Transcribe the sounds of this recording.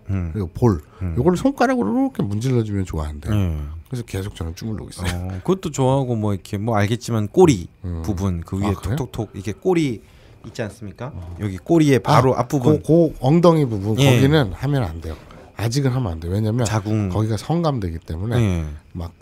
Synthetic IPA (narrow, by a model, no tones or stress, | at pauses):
kɯɾɡapoɭjoɡʌɾɯɭsʰoŋk͈aɾaɡoɾɾokʰemund͡ʑiʎːʌd͡ʑumjʌnt͡ɕoa̰ɦandejokɯɾesʰʌke̞sʰok̚t͡ɕ͈ʌnɯnt͡ɕʰumuɭːo̰ɡḭs͈kɯʌt͈ot͡ɕoaɦaɡomwʌikʰe̞mwʌaɭɡe̞t̚t͡ɕ͈imank͈oɾipubunkɯɥietʰotʰok̚tʰoɡ̚ikʰe̞k͈oɾiː | t̚t͡ɕ͈ians͈ɯmɲik͈ajʌɡik͈oɾie̞paaɾoʔa̰p͈ubukoʌŋdʌŋibubunjkʌɡinɯnhamjʌna̰nde̞jo | ad͡ʑiɡɯnɦamʌnandejowe̞ɲamjʌnt͡ɕaɡuŋkʌɡiɡasʰʌŋɡamdwe̞ɡit͈e̞mune̞ema̰k̚